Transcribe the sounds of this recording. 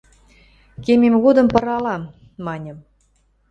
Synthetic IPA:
kemʲemɣod̪ə̆mpɤɾɑlɑm | mɑnʲə̆m

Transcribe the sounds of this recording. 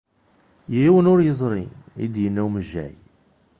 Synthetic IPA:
jiwənʊɾjəzˤɾˤḭḭd̪jənːæwməʒːæ̰j

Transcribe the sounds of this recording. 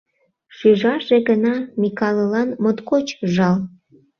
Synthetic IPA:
ʃyʒɑʒeɡənɑmikɑləlɑnmot̪kot͡ɕʒɑl

